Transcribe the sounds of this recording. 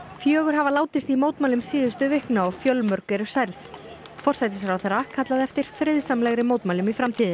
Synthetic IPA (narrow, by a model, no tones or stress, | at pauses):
fjœːɣʏɾ̥ɦavalaːwt̪ɪst̪imoːwt̪maːlʏmsiːðʏst̪ʏvɪhknaɔɣfjœlmœɾkvɛɾʏɾ̥sajɾθ | fɔr̥sajt̪̬ɪs̬ɾawθɛɾːakʰat̪laðɛft̪ɪɾ̥fɾɪðsamlɛɣɾɪmowt̪maːlʏmifɾamt̪ʰiːðɪn